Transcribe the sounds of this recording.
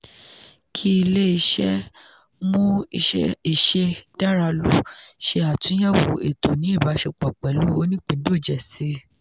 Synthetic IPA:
kʰi˦i˧le˦i˧ʃɛ˦ | mũ˦˧˦ | i˨ʃe˧da˦ɾa˧lu˦ʃe˧a˨tũ˨˦jɛ˦˨wo˨e˨to˨nĩ˨˦i˦˨ba˨˧˦ʃe˧k͡pɔ˨k͡pɛ˨lu˨˦o˦nĩ˦k͡pĩ˨˦do˦˨d͡ʒɛ˨si˨˦

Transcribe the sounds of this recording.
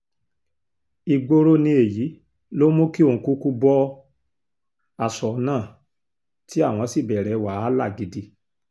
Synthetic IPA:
i˧ɡ͡bo˧ɾo˦nĩ˧e˨ji˨˦ | lo˦mõ˦ki˦o˦˨ũ˨ku˦ku˦bɔ˦ | a˨sɔ˨˦nãː˦˨ | ti˨˦a˦˨w̃ɔ̃˧˦si˦˨bɛ˨ɾɛ˨˦wa˨˦a˦la̰˦˨ɡi˨˦di˧

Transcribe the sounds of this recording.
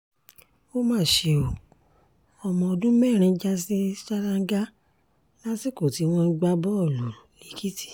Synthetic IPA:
o˦mãː˦˨ʃe˧˨o˨ | ɔ˧˨mɔ̃˨ɔ˧dũ˦mɛ˦˨ɾ̃ĩ˧˦d͡ʒa˦˧si˦ʃa˦ɾã˦˧ŋ˦ɡa˦ | la˦si˦˨ko˨ti˨˦w̃ɔ̃˧˦ɡ͡ba˦bɔ˦˨lo˨li˨˦ki˦ti̥˦˨

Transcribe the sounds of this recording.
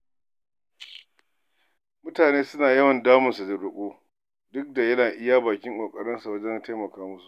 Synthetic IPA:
mʊ˦taː˨neː˦sʊ˦naː˨jɐ˦wɐ˨ndaː˦mʊ˨nsu˨dɐ˨ɽʊ˦˨kʷʼoː˦ | dʊ˦k̚da˨jɐ˦naː˨ʔɪ˦jaː˦baː˨kʲɪ˦ŋkʷʼoː˨kʼɐ˨ɽɪ˦nsu˨wɐ˦d͡ʒɛ˦nta˦jmɐ˨kaː˦mʊ˦su˨ʔ

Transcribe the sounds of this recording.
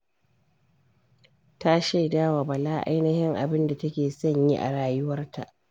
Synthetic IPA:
ta˦ʃa˦jdaː˦wa˨bɐ˨laː˦ʔa̰˦jnɐ˦hɪ˦ŋʔa̰˨bɪ˦nda˨tɐ˦kʲeː˨sɐ˦˨ɲji˦ʔa̰˨ɽaː˨jʊ˦wɐ˦rtʰa˨ʔ

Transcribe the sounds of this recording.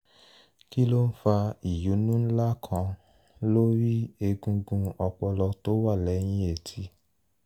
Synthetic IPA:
ki˦lo˦n̩˦fa˧i˨ju˨˦nũ˦n̩˦la˦kʰã˧ | lo˦ɾi˦e˧ɡũ˧ɡũ˧ɔ˧k͡pɔ˧lɔ˧to˦wa˦˨lɛ˨˦j̃ĩ˧˦e˨tʰi˧˦

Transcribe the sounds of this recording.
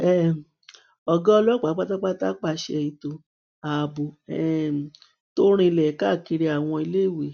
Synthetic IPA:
ɛ˦ | ɔ˧ɡɔ̃˦ɔ˧lɔ˦k͡pa˨˦k͡pa˦ta˦k͡pa˦ta˦k͡pa˦ʃe˧i˧to˧ | a˨bo˨ɛ˨ | to˦ɾ̃ĩ˧lɛ˨˦ka˦˨ki˧ɾi˧a˨w̃ɔ̃˧i˧le˦˨we˨

